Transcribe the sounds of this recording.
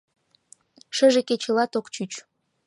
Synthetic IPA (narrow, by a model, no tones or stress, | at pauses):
ʃə̆ʒeket͡ɕə̆lɑt̪okt͡ɕyt͡ɕ